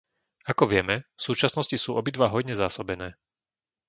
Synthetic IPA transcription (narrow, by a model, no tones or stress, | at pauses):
akɔʋɪɛmɛfsuːt͡ʃasnɔscisuːʔɔbid̪ʋaɦɔjɲɛzaːsɔbɛnɛː